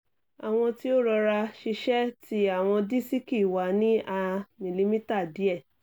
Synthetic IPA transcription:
a˨w̃ɔ̃˧ti˦o˦ɾɔ˧ɾa˧ʃi˧ʃɛ˦ti˦a˦˨w̃ɔ̃˧di˦si˦ki˦˨wa˨˦nĩ˦ʔa˧mĩ˨li˧mĩ˦ta˦˨di˨˦ɛ˦˨

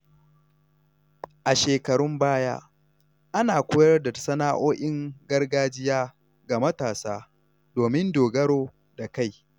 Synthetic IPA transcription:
ʔa˨ʃeː˨kɐ˨ɽʊ˦mbaː˦ja̰ː˦ | ʔa˦naː˨kʷoː˦jɐ˦rda˨sɐ˦naː˦ʔoː˦ʔɪ˦ŋɡɐ˦rɡaː˦d͡ʒɪ˦jaː˦ | ɡa˨mɐ˦taː˨saː˦ | doː˨mɪ˦ndoː˨ɡɐ˦ɽoː˦ | da˨ka˦˨j

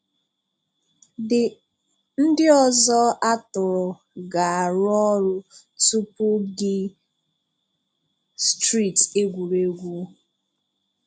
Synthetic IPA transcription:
dɪ˨ | n̩˦dɪ˦ɔ˨zɔ˦ʔa˦tʊ˨ɾʊ˨ | ɡa˨a˨ɾʊ˦ɔ˦ɾʊ˦ | su˦pʊ˦ɡɪ˦ | stɾi˦˨te˦ɡʷu˨ɾe˨˦ɡʷu˦

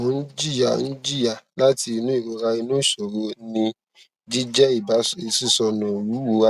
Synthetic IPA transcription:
ũ˨˦n̩˦d͡ʒi˦ja˨ñ̩˦d͡ʒi˦ja˦˨la˦ti˧i˧nũ˦i˦˨ɾo˨ɾa˧i˧nũ˦˨ʃo˨ɾo˧nĩ˧ | d͡ʒi˦d͡ʒɛ˦i˦˨ba˨˦i˨si˦˨sɔ˧nɔ̃˨wu˨˦wu˨˦a˦

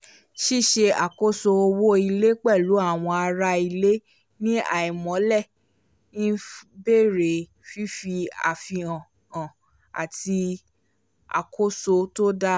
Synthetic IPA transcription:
ʃi˦˨ʃe˧a˨ko˦so˧o˧wo˦i˧le˦k͡pɛ˦˨lu˨˦a˦˨w̃ɔ̃˧a˧ɾa˧˦i˧le˦ | nĩ˦a̰˨i˨mɔ̃˨˦lɛ̃˦˨˦ | be˦˨ɾe˨ | fi˦fi˧a̰˨fi˧ã˨ | ã˨ | a̰˨ti˧ | a̰˨ko˦so˧to˦da˦

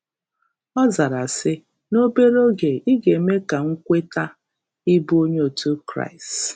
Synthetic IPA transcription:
ɔ˦za˨ɾa˨sɪ˦ | no˦be˦ɾo˦ɡe˨i˦ɡe˨me˦ka˨ŋ̩˦kʷe˦ta˦ | i˦bu˦o˦ɲ˦o˨tu˦kɾa̰˦˨ɪ˨st

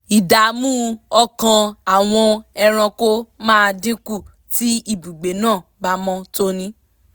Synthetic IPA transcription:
i˨da˨mũː˦ɔ˧kã˧a˨w̃ɔ̃˧ɛ˧ɾ̃ã˧ko˦mãː˦˧dĩ˦ku˦˨ | ti˦i˦˨bu˨ɡ͡be˨˦nãː˦˨ba˦mɔ̃˧to˦nĩ˦

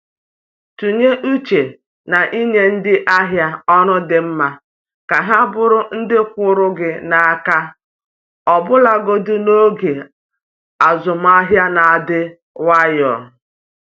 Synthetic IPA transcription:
tu˨ɲe˦ʔu˦t͡ʃe˨ | na˨ʔi˦ɲe˦n̩˦dɪ˦ʔa˦ɦja˦ɔ˦nʊ˦dɪ˨m̩˦ma˦ | ka˨ɦa˦bʊ˦ɾʊ˦n̩˦dɪ˦kʷʊ˨ɾʊ˦ɡɪ˨na˨a˦ka˦ | ɔ˨bʊ˦la˨ɡo˦du˦no˦ɡe˨ | a˨zʊ˨m̩˨˦a˦ɦja˦na˨a˨dɪ˦ | wa˦jɔ̰˨

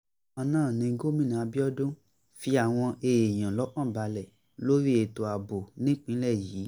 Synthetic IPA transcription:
ɔ˧nãː˦˨nĩ˨˧ɡo˦mĩ˦˨nã˨a˨˧bi˦ɔ˦dũ˦ | fi˧a˨w̃ɔ̃˧e˧˨e˨j̃ã˨lɔ˨˦k͡pã˦˨ba˨˦lɛ˨ | lo˦ɾi˦e˨to˨a˨bo˨nĩ˨˦k͡pĩ˨˦lɛ˦˨jiː˨˦

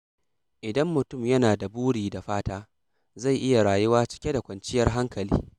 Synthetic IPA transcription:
ʔɪ˨dɐ˦mːʊ˨tʊ˦˨mjɐ˦naː˨da˨buː˦ɽiː˨da˨ɸaː˦taː˦ | za˦˨jʔɪ˦ja˨ɽaː˨jʊ˦waː˦t͡ʃɪ̥˦kʲe˦da˨kʷɐ˨nt͡ʃɪ˦jɐ˦rɦa˦ŋkɐ˨lḭː˦

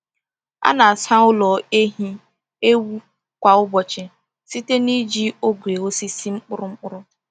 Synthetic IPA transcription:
a̰˦na˨a˨sa˦ʊ˦lɔ˨e˦ɦi˦ | e˦wu˦ | kʷa˨ʊ˦bɔ˨t͡ʃɪ˨ | si˦te˦ni˦d͡ʒi˦o˦ɡʷe˨ɣo˦si˦si˦ŋ͡m̩˦k͡pʊ˦ɾʊ˦ŋ͡m̩˦k͡pʊ˦ɾʊ˦

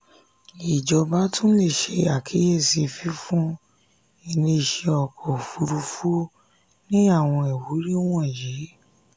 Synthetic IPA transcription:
i˨d͡ʒɔ˨ba˦tũ˦le˦˨ʃe˧a˨kʰi˨˦je˦˨si˧fi˦fũ˦ | i˧˨nĩ˧˨ʃe˧ɔ˨kʰɔ˨fu˧ɾu˧fu˦ | nĩ˦a˦˨w̃ɔ̃˧ɛ˨wu˨˦ɾi˦w̃ɔ̃˦˨je˨˦

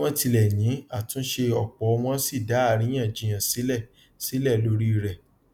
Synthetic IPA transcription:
ɔ̃˦ti˧lɛ˨jĩ˨˦a˦˨tũ˨˦ʃe˧ɔ˨k͡pɔ˨˦˧w̃ɔ̃˦si˦˨da˨˦a˦˧ɾĩ˦ã˦˨d͡ʒĩ˨j̃ã˨si˨˦lɛ˦˨ | si˨˦lɛ˦˨lo˦ɾi˦˨ɾɛ˨

